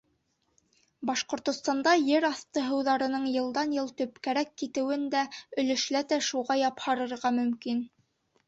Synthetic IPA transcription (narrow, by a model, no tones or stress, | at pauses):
bɑʃqŏɾt̪ŏst̪ɑnd̪ɑjɘɾɑθt̪ɤɦɤ̆wðɑɾɤ̆nɤɴjɤ̆lˠd̪ɑnjɤlˠt̪ɵ̆pkæɾækːit̪ɘ̆wɘnd̪æɵ̆lɵ̆ʃlæt̪æʃuʁɑjɑphɑɾɤ̆ɾʁɑmɵ̆mkin